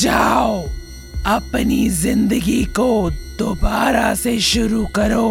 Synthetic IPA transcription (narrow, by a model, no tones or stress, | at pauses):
d͡ʒaːo | ɐpnizɪ̃nd̪əɡikod̪obaːɾaseʃʊɾukɐɾoː